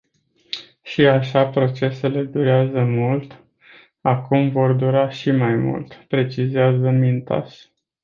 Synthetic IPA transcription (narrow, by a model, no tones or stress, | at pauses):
ʃiaʃapɾo̞t͡ʃe̞se̞le̞d̪uɾeazəmult̪ | akumvo̞rd̪uɾaʃimajmṵlt̪pɾe̞t͡ʃiziazəmint̪a̰s